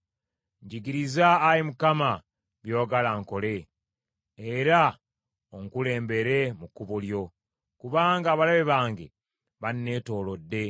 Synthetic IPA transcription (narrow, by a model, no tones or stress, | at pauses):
ɲɟiɡiɾizaːjimukama | βjo̞ːɡalaŋko̞le̞ː | ɾa | oŋkule̞ːmbe̞ɾe̞mukːuβuljo̞ | kuβaːŋɡaːβalaβeβaːŋɡḛ | βanːe̞ːto̞ːlo̞dːe̞